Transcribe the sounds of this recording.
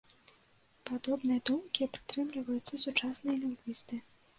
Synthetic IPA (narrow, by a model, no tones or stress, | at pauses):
pad̪ɔbnɨjɐd̪umkʲipɾɨ̥t̪ɾɨmlʲivɐjut̪sːɐsut͡ʂasnɨjɐlʲiŋɡvʲist̪ɨ